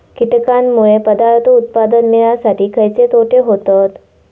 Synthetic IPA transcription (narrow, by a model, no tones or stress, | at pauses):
kiʈ̪kanmuɭepəd̪aɾt̪əut̪̚pad̪ənːejasaʈiːkʰəjt͡set̪oʈʰeɦot̪at̪